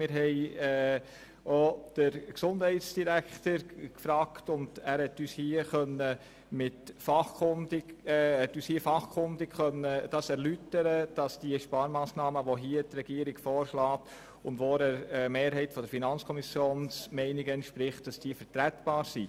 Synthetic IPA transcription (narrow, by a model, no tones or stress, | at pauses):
mɪɾɦɛɪ | od̥əɾksʊnd̥hɛɪtsd̥iɾæktəɾkfɾɑːktʊnd̥æːɾhɛtːyːshiːəχœnːə | mɪtfɑχkʊndɪhɛtːyːshiːəfɑχkʰʊndɪkχœnːəd̥ɑsɛɾlytəɾəd̥ɑsd̥iəʃpɑːɾmɑːsnɑːməʋoɦiətrɛɡ̥iəɾɪɡ̥fɔːɾʃlɑːt | ʊndʋoɾəmeːɾɦɛɪtfɔd̥̪əɾfinɑnt͡skʰɔmisjoːnsmɛɪnɪɡəɛntʃpɾɪχt̚d̥ɑsd̥iəfəɾtɾætb̥ɑːɾsi